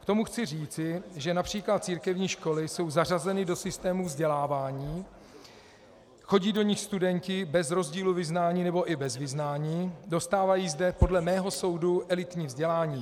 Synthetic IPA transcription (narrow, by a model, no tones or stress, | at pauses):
kt̪o̞muxt͡sɪr̝iːt͡sɪʒɛnapr̥iːklat̪̚t͡siːɾkɛvɲiːʃko̞lɪso̞wzar̝azɛnɪdo̞sɪst̪ɛːmuvzɟɛlaːvaːɲiː | xo̞ɟiːdo̞ɲɪxst̪udɛɲcɪbɛzɾo̞zɟiːluvɪznaːɲiːnɛbo̞ʔɪbɛzvɪznaːɲiːdo̞st̪aːvajiːzdɛpo̞dlɛmɛːɦo̞so̞wduʔɛlɪt̪ɲiːvzɟɛlaːɲiː